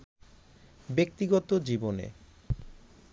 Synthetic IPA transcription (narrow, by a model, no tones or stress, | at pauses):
bek̚t̪iɡɔt̪od͡ʑibonḛ